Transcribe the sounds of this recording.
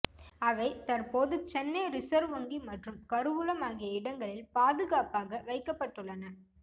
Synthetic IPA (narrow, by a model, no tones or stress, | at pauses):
ɐʋɐɪt̪ɐɾpoːðɯt͡ʃɛnːɐɪɾɪsɐɾʋɐŋɡimɐʈrɯmkɐɾɯʋɯlɐmaːɣɪjɐɪɽɐŋɡɐɭɪlpaːðɯɣaːpaːɣɐʋɐɪkːɐpːɐʈːɯɭːɐnɐ